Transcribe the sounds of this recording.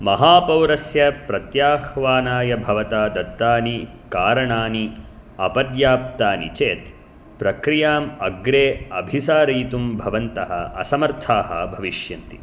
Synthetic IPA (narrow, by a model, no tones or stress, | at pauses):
mɐɦaːpɐwɾɐsjɐpɾɐt̪jaːhʋaːnaːjɐbʱɐʋɐt̪aːd̪ɐt̪ːaːni | kaːɾɐɳaːni | ɐpɐd̪jaːp̚t̪aːnḭt͡ʃeːt̪ | pɾɐkɾijaːmɐɡɾeːɐbʱisaːɾiːt̪umbʱɐʋɐnt̪ɐɦɐ̰ɐ̰sɐmɐɾt̪ʰaːhɐ̰bʱɐʋiʃjɐnt̪i̥